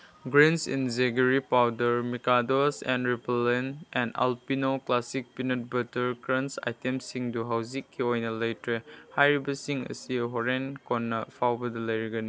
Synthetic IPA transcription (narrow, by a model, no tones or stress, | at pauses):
ɡɾensḭnzeɡɐɾipawdɐɾmikadosɛ̃nɾiplenɛ̃na̰lpinoklasik̚pinɐt̚bɐtɐɾkɾɐnsa̰jtemsiŋduɦawzikʰːiojnɐlejtehajɾibɐsiŋɐ̰siɦɔɾenkɔnːɐpʰawbɐdɐlɐjɾiɡɐni